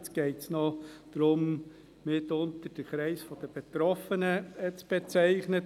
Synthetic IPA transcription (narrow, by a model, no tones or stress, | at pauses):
t͡sɡ̥ɛɪtsnɔd̪̥ɾʊm | mɪtʊntəɾd̥əχɾɛɪsfɔd̥əb̥et̪ɾɔfənət͡sb̥et͡sæɪχnə